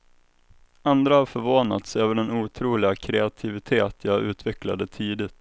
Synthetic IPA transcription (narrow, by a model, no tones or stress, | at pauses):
and̪ɾahaɾfœɾvoːna̰t̪søːvəɖɛnuːt̪ʰɾuːlɪɡakʰɾɛat̪ʰɪvɪt̪ʰeːt̪ʰjaːʔʉ̟ːt̪ʰvɛkla̰d̪ət̪ʰiːd̪ɪt̪